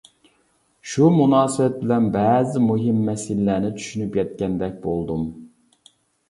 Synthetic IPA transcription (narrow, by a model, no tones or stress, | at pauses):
ʃumunɑːsɨbɛt̪̚bɪlɛnbɛːzɪmuɦɪmːɛsilːæːnɪt͡ʃʰy̥ʃynypjɛt̪̚kʲɛnd̪ɛk̚ʲbolˠd̪um